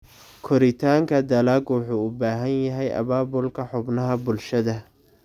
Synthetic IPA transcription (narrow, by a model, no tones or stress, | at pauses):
kʰɔɾɪt̪ʰaːŋkʰɐd̪ɐlaːɡwʊħuːʊbaːɦɐnjɐɦɛjʔɐ̰βaːbʊlkʰɐħʊbnɐɦɐbʊlʃɐðɐ